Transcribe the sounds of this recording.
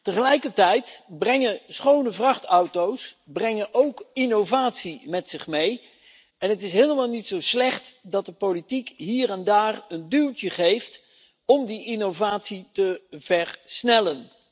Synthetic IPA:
təχəlɛjkəɹtɛjtbrɛŋəsχownəvrɑχtʌwtowsbrɛŋənʔowkɪnowvaːtsimɛtsɪχmej | ɛnətɪsɦejləmaːlˠnitsowslɛχtdɑt̚dəpowlitikɦiːrɛndaːrəndylˠtəχejft | ɔmdiʔɪnowvaːtsitəvɛɹsnɛlən

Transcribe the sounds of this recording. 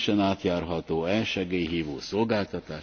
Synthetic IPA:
ʃɛnaːt̪jaːrɦɒt̪oːɛːʃɛɡeːjɦiːvo̰ːso̞lɡaːlt̪ɒt̪aː

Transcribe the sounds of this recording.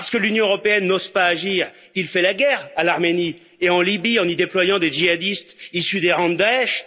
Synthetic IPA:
ppaʁsə̥kəlynjɔ̃øʁɔpeɛnːozpaːʒiːʁ | ilfɛlaɡʲɛʁalaʁmeni | eɑ̃libiɑ̃nid̪eplwajɑ̃d̪eʒiad̪ist̪isyd̪eʁɑ̃d̪aɛʃ

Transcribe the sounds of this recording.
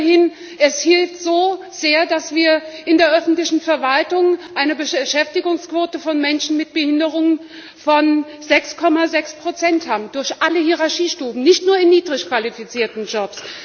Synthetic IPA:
hɪn | ʔɛshɪlftz̥oː | z̥eːɐdasv̥iːɐʔɪndeːɐʔœfn̩tlɪçn̩fɛɐvaltʊŋʔaɪnəbəʃɛftɪɡʊŋskv̥oːtəfɔnmɛnʃn̩mɪt̚b̥əhɪndəʁʊŋən | fɔn | zɛkskʰɔmazɛkspʁ̥ot͡sɛnthaːbm̩dʊɐçʔaləhiːʁaɐʃiːʃtuːbm̩nɪçtnuːɐɪnːiːdʁɪçkv̥alifit͡siːɐtn̩d͡ʒɔps

